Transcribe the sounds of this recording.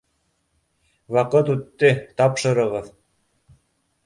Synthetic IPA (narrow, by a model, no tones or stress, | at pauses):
wɑqɤt̪ʉt̪ːɘt̪ɑpʃɤ̆ɾɤ̆ʁɤð